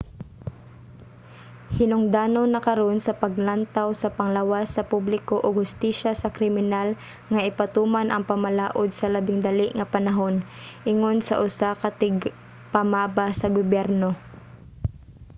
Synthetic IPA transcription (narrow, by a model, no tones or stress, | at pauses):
hɪnʊŋd̪aːnonːɐkɐɾo̞nsɐpɐɡ̚lant̪awsɐpɐŋlawasːɐpublɪkoʔoɡhʊst̪iːʃasɐkɾɪmɪnal | ŋɐʔɪpɐt̪uːmanʔɐŋpɐmɐlaːʔod̪̚sɐlɐbɪŋd̪ɐlɪʔŋɐpɐnɐɦo̞nʔɪŋo̞nsɐ̰ʔʊsakɐt̪ɪɡ | pɐmaːbasɐɡobjɛɾno̞